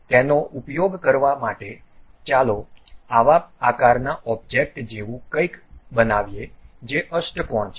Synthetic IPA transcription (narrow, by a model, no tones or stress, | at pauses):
t̪enoʔupjoɡkəɾʋamaʈe | t͡ʃaloaʋaakaɾnaʔɔb̚d͡ʒek̚ʈd͡ʒeʋũkəikbənaʋjed͡ʒeʔəsʈəkɔɳt͡ʃʰ